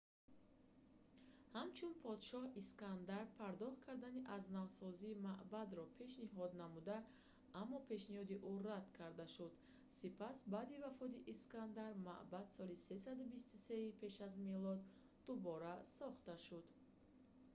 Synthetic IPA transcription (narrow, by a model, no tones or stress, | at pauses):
hamt͡ʃʰunpʰɔd̪ʃɔhiskand̪aɾpʰaɾd̪ɔχt̪̚kʰaɾd̪aniʔaznavsɔziːmaʔbad̪ɾɔpʰe̞ʃniɦɔd̪namud̪a | amːɔpʰe̞ʃnihɔd̪iʔurad̪̥kʰaɾd̪aʃud̪ | sipʰasbad̪ivafɔd̪iʔiskand̪aɾma̰ʔbad̪sɔlise̞s̬ad̪ubist̪use̞ipʰe̞ʃazmelɔd̪ː | ubɔɾasɔχt̪aʃud̪